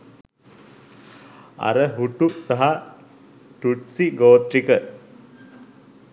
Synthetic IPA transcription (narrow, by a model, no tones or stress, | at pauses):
ɐ̰ɾəɦuʈusaɦa | ʈuʈsiɡoːt̪ɾikə